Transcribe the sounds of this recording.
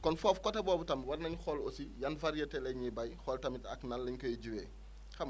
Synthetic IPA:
kɔnfɔːfkɔtɐbɔːbutɐmwɐrnɐɲxɔlosijɐnfɐɾjɐtɛlɛɲibɐjxɔltɐmitɐknɐnlːɐɲkojɟuwɛː | xɐm

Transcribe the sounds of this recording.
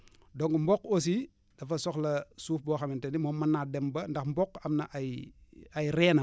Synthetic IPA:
doŋɡmbokos̬i | d̥ɐfɐsoklɐsuːfboxamintenimoːmanːadembɐndɐxmbokɐmnɐʔ | ajɾeːna

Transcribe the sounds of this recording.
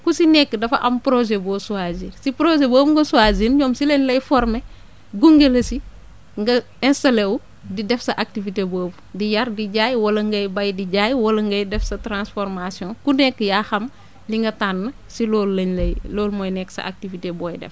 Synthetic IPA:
kusinɛkːədɐfɐʔɐmpɾoʒebɔːsuazinsipɾoʒeboːbŋɡɐsuazinɲɔːmsileɲlɐjfɔɾmɛ | ɡuŋɡelɐsi | ŋɡɐ | ɛ̃nstɐlew | didɛfsɐʔak̚tiviteboːb | dijɐrdiɟaːjwɐlɐŋɡɐjbɐjdiɟaːjwɐlɐŋɡɐjdɛfsɐtɾãnsfɔɾmasjɔ̃kunɛkːjaːxɐm | liŋɡɐtanːɐ | silɔːlːɐɲlɐjlɔːlmɔːjnɛkːsɐ̰ʔa̰k̚tivitebɔːjdɛ̰f

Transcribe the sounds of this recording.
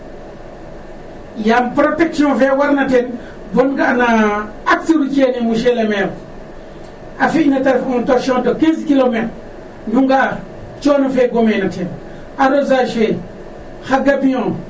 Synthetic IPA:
jampɾotekʃiõvewaɾnaten | bonɡaʔna | ak̚siɾut͡ʃenimuʃeleme | afiinataɾfuuntoɾʃõtokenzkilomet | duŋɡaa | t͡ʃonafeɡomenaten | aɾozaʃe | xaɡapijõ

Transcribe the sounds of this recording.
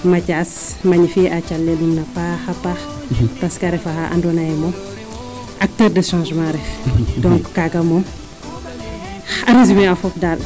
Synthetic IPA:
mɐcas | maɲifiacalːɛlumnɐpaxapax | paskɐɾɛfaxaʔa̰ndɔnajɛmɔm | ʔɐk̚tɛːrdəʃãːʒmãɾɛxdɔ̃ŋkːaɡɐmɔm | ɐɾezimɛɐfɔpdal

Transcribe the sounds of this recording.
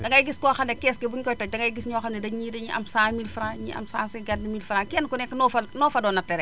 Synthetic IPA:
dɐŋɡɐjɡiskɔːxɐndɛkɛskebuɲkɔjtɔc̚dɐŋɡɐjɡisɲɔːxɐndɛdɐɲiːdɐɲiʔɐ̰msaːmilfɾãːɲḭɐ̰msaːsɛɡad̚nimilfɾaːkɛnkunɛkːnɔfɐnɔːfɐdɔnɐtɛɾɛ

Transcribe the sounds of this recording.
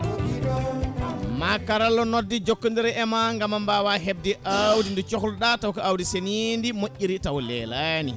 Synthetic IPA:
makaɾalːɔnodːid͡ʒokːundiɾɛɛmaŋɡamambawaɦeb̚diʔawdindut͡ʃɔklɗatawkaawdisenindimoʔʲːiɾitawlɛ̰lani

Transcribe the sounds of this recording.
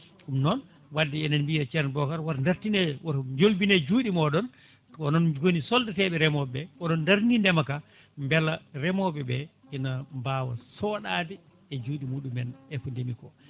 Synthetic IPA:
ɗumnɔn | wadːɛɛnɛnbijat͡ʃɛɾnbɔkaɾwaɾndaɾtinɛwaɾd͡ʒolbinɛd͡ʒuːɗimɔɗɔn | ɔnɔnwonisɔldatɛɓɛɾɛmɔbɛkɔɗɔnːdaɾnindɛmaka | mbɛlːaɾɛmɔbɛbɛ | ɛnambawa̰sɔɗaːdɛ | ɛd͡ʒuːɗimuːɗumɛnɛfɔndemikɔ̰

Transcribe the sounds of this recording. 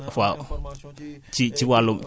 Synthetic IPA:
fa | t͡ʃit͡ʃiwalʊm

